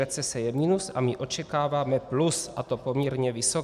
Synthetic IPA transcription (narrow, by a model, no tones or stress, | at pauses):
ɛt͡sɛsɛjɛminusa̰miʔo̞t͡ʃɛkaːvaːmɛplusʔat̪o̞po̞mɲɛɾɲɛvɪso